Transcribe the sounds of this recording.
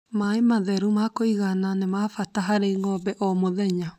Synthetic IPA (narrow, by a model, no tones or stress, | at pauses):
maemaðɛɾumakoiɣananemafataɦaɾeŋɔbɛʔɔmoðɛɲa